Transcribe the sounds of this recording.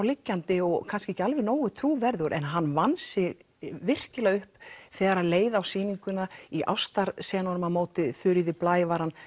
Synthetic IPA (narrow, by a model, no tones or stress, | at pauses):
awlɪcːant̪ɪɔɣkʰanscɪehcːalvɪɾnoːwʏt̪ʰɾuːvɛɾðʏɾʔɛnɦanːvansɪɣ | vɪr̥cɪlaɣʏhpθɛːɣaɾaðleːjðaːwsiːniŋkʏnaiʔa̰wst̪aɾ̥sɛːɣanvɔɾʏmaðmoːwt̪ɪθʏɾɪðɪplaːjvaɾanː